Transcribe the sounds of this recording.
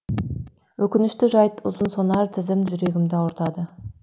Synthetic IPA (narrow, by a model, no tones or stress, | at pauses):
wɵkʲɪnɪʃt̪ɪʒɑjt̪ʊzənsonɑɾt̪ʰɪzɪmʒʏɾe̞ɡʲɪmd̪ɪɑwʊɾt̪ɑd̪ə